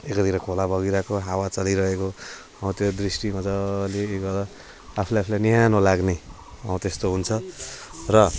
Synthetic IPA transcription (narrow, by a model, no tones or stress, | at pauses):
ekʌt̪ʰiɾʌkʰolabʌɡiɾakoɦawat͡sʌliɾʌɦeko | ʌw̃t̪jod̪risʈiɦʌd͡zʌleːɡʌdʌ | apʰulajapʰilajniɦanolaɡne | ʌw̃t̪est̪oɦunt͡sʰʌ | rʌ